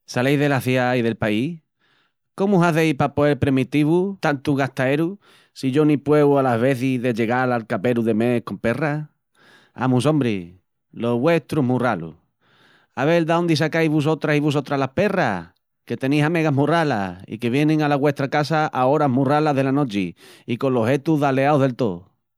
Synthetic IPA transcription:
salejðe̞laθjaiðe̞lpai | ko̞muusaθejpapoelpɾemit̪iβut̪ant̪uɣat̪ae̞ɾu | siʝonipwe̞βualaɦβe̞θiðe̞ʎe̞ɣalalkape̞ɾuðe̞me̞hko̞mpe̞ra | a̰mus̬õ̞mbɾi | lo̞βwe̞ht̪ɾuɦmuralṵ | aβe̞ld̪aond̪is̬akajβus̬o̞t̪ɾasiβus̬ot̪ɾalahpe̞ra | ke̞t̪e̞nisame̞ɣaɦmurala̰ḭke̞β̞je̞nẽŋalaɣwe̞ht̪ɾakasaʔaoɾaɦmuralaɦðe̞lano̞t͡ʃiiko̞loɦe̞t̪uðaleawðe̞lt̪o

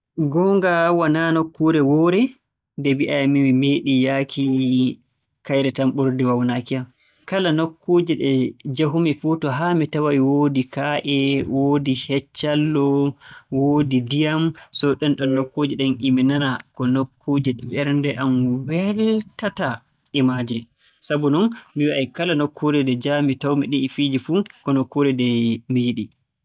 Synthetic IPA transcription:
ɡɔŋɡawananokʰːuɾɛwɔːɾɛ | dɛbiʔajamimimeɗijakʰi | kajɾɛtamɓoɾdiwawnakiam | kalanokʰːud͡ʒiɗɛd͡ʒaɦumifutɔɦamitawawiwodikaʔɛwoːdihɛt͡ʃːalːɔwodidijamsɔɗɛnɗɔnːokːod͡ʒiɗɛnʔiminanakɔnokʰːud͡ʒiɗɛɓɛɾndɛʔamwɛltata | ʔimaːd͡ʒɛ | sabunɔnmiwiʔajkalanokʰːuɾɛdɛd͡ʒamitawmiɗiːfid͡ʒifukɔnokːuɾɛdɛmijiɗi

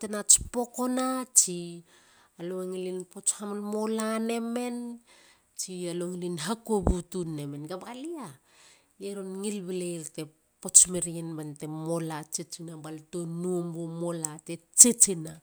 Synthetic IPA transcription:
tenat͡ʃpo̞konat͡ʃi | aloŋilinpo̞t͡ʃhamlmo̞lane̞me̞n | t͡ʃialoŋilinɦakobutunːe̞me̞nɡabalia | jeɾonŋilβilelte̞ | po̞t͡ʃmeɾienbante̞mo̞lat͡ʃit͡ʃinabaltonuombomo̞latet͡ʃit͡ʃina

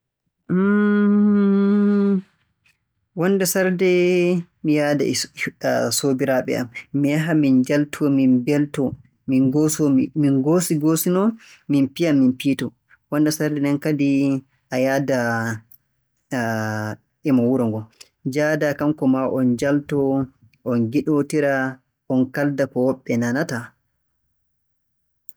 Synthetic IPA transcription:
wɔnːdɛsaɾdɛmijada̰ | sobiɾaɓɛ̰ʔamːijaɦamind͡ʒaltʰɔminbɛltɔ | minɡosɔminɡosiɡosinɔ | minpijamːinpitɔ | wɔndasaɾdɛnɛnkadi | ʔajada | ʔɛmawuɾɔŋɡɔ | d͡ʒadakamkɔmaʔɔnd͡ʒaltɔ | ʔɔnɡiɗotiɾa | ʔɔnkaldakɔwɔɓːɛnanata

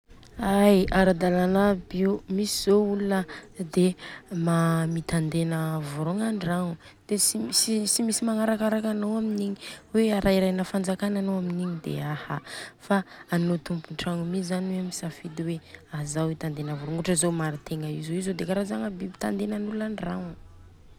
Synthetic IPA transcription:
ajaɾad̪alanabiumisizoulunəd̪emamit̪and̪enəvuɾoŋaɳaŋu | d̪̥esiisisimisimaŋaɾakaɾakanowaminiɲiweaɾʔaiɾajnəfand͡zakananoaminiɲid̪ḛahafaːnot̪umpuɳʈ͡ʂaŋumizaniwemisafid̪iweazawit̪and̪enəvuɾuŋuʈ͡ʂəzomaɾit̪eŋəizoizod̪ekaɾazaŋəbibit̪and̪enanulunanraŋa

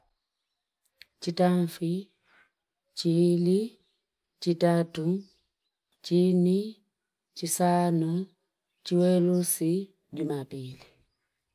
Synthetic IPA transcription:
t͡ʃitaɱfi | t͡ʃili | t͡ʃitatu | t͡ʃini | t͡ʃisanu | t͡ʃiwɛlusi | ɟumapili

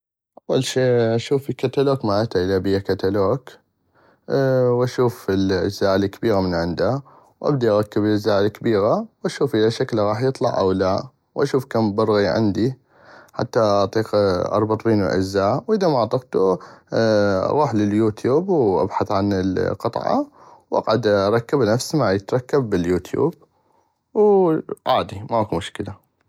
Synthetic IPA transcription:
ʔʔɑwːalʃeːʔaʃuːfɪkːat̪aloːkmaʕat̪aʔɪlabɪjːakat̪aloːk | wʔaʃuːfɪlʔɪd͡ʒzaːʔlkːabiːɣamɪnʕɪnd̪a | wʔa̰bd̪iʔɑɣˤɑkːɪbɪzaːʔɪlkabiːɣawʔaʃuːfʔɪlaʃaklɣɑːħjɨt̪ˤlɑ̰ʕʔa̰wla | wʔaʃuːfkaːmbɑɾˤɣiʕɪ̰nd̪i | ħa̰t̪ːaɑʕt̪ˤiːqʔɑ̰ɾˤbɑt̪ˤwiːnwɪ̰ʔa̰zːaːʕwʔɪðamaʕt̪ˤɨqt̪u | ɣuːħlɪljuːt̪juːbwʔa̰bħaθʕanɪlqɨt̪ˤʕɑ̰wʔɑ̰qʕad̪ʔɑɾˤɑkːabnafsmaʕjɪt̪ɾˤɑkːabːɪljuːt̪ʰjṵːb̚ | wʕaːd̪imakumʊʃkɪla

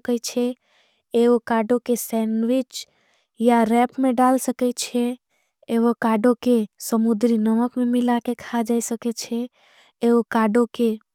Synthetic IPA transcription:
kət͡ʃʰe | eokaɖõkesɛnʋɪt͡ʃ | jaɾɛpmẽɖalsəkɛt͡ʃʰeː | ʋokaɖokesəmud̪ɾinəməkmẽmɪlakekʰad͡ʒaisəket͡ʃʰe | eokaɖoke

